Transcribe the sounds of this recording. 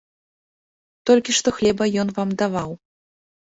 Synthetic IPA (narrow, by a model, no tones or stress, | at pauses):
t̪ɔlʲkʲiʂt̪ɔxlʲɛbɐjɔnvamd̪avaw